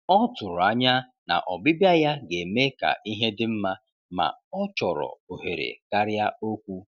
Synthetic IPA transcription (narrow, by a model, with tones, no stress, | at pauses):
ɔ˦tʊ˨ɾʊ˨a˦ɲa˦ | na̰˨ʔɔ˨bi˦bja˦ja˦ɡe˨me˦ka̰˨ʔi˦ɦe˦dɪ˦m̩˦ma˦ | ma̰˨ɔ˦t͡ʃɔ˨ɾɔ̰˨o˨ɦe˨ɾḛ˨ka˦ɾja˦o˦kʷu˦